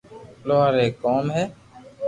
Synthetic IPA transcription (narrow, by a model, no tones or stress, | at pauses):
loːaːɾeːkoːmɦɛː